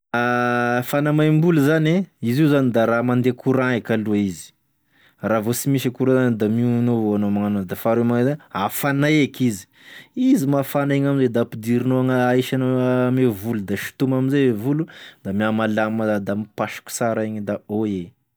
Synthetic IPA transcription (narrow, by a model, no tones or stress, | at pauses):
afanamajmbuluzaneiziuzanid̪aɾamand̪ekuɾãekʲaluaizi̥ | ravosimiʃ̬akuɾazand̪aminovoanomaŋanod̪afaɾemaŋezanafanaekizi̥ | izimafaneɲamized̪apid̪iɾinoaŋaaiʃanomevulud̪aʃi̥t̪umaminzeevulud̪amiamalaməd̪amipaʃi̥kʲu̥saɾaeɲd̪aoe